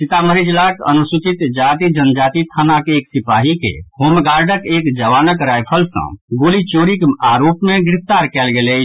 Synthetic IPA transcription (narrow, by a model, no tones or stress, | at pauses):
sit̪aməɾid͡ʒlakə̰nusut͡ʃit̪d͡ʒat̪id͡ʒənd͡ʒat̪it̪ʰanakeːksipaɦikḛhoːmɡaɾɖəkekd͡ʒəʋanəkɾajpʰəlsə̰̃ɡolit͡ʃoɾikaɾopmeɡɾip̚ʰt̪aɾkɛlɡele